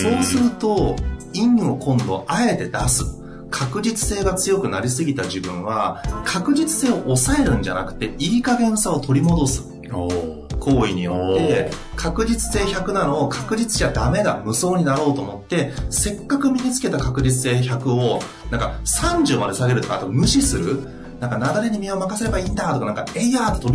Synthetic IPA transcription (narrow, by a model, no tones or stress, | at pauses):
so̞ːsɨɾɯ̟t̪o̞ĩɴo̞kõ̞nd̪o̞̰ʔae̞t̪e̞d̪asɨ̥ | kʰakɯ̟d͡ʑit͡sɨ̥se̞ːɡat͡sɨjo̞kɯ̟naɾʲis̬ɨɡʲit̪aʑibɯ̟̃ɰ̃β̞akʰakɯ̟d͡ʑit͡sɨ̥se̞ːoʔosae̞ɾɯ̟̃ɲ̟d͡ʑa̰nakɯ̟̥t̪e̞iːkaɡẽ̞ɰ̃sao̞t̪ʰo̞ɾʲimo̞d̪o̞sɨ̥ | kʰo̞ːiɲ̟ijot̪ːe̞kʰakɯ̟d͡ʑit͡sɨ̥se̞ːçakɯ̟nano̞ːkʰakɯ̟d͡ʑit͡sɨ̥ʑad̪ame̞ɡamɯ̟so̞ːɲ̟inaɾo̞ːt̪o̞ːmo̞t̪ːe̞se̞kːakɯ̟mʲiɲit͡sɨ̥ke̞t̪akakɯ̟d͡ʑit͡sɨ̥se̞ːçakɯ̟o̞ | nãŋkasãɲ̟d͡ʑɨmad̪e̞saɡe̞ɾɯt̪o̞kaːt̪omɯ̟ɕisɨɾɯ̟ | nãŋkanaɡaɾe̞ɲ̟imʲiomakase̞ɾe̞baĩːnd̪at̪o̞kanãŋkaeiat̪ːet̪oi